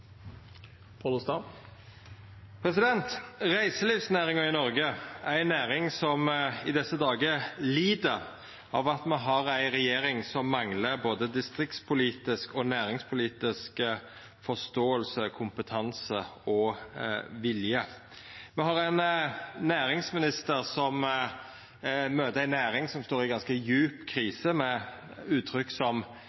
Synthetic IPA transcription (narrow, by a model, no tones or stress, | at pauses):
pʰɑlʊst̪ɑ | pʰɾɛsɪd̪ɛnt̪ʁæɪsəliːfsnæːɾɪŋɑɪnɔɾɡəæænːæːɾɪŋsɔmɪd̪ɛsːəd̪ɑːɡəliːd̪əɾ | ɑʋɑt̪mɛɦɑɾæɪʁɛjeːɾɪŋsɔmːɑŋləɾboːd̪əd̪ɪst̪ɾɪk̚t̪spʰʊliːt̪ɪskɔnæːɾɪŋspʰʊliːt̪ɪsk | fɔst̪oːəlsəkʰʊmpət̪ʰɑnsəɔ | ʋɪljə | mɛɦhɑʁæɪnnæːɾɪŋsmɪnɪst̪əɾsɔm | møːt̪əæɪnæːɾɪŋsɔmst̪oːɾɪɡɑnskəjʉːpkʰɾiːsəmɛ | ʉːt̪ʰɾʏkːsɔm